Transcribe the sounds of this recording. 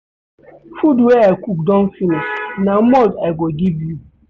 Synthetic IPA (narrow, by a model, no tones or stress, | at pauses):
fudwɛakuk̚dɔ̃nfinĩʃnãmɔdaɪɡɔɡivju